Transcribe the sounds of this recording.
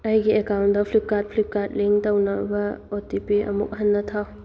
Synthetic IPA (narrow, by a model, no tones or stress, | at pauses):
ajɡiekawnt̚dɐpʰlip̚kat̚pʰlip̚kat̚liŋtɐwnɐbɐotipiɐ̰mṵk̚ɦɐnːɐtʰaw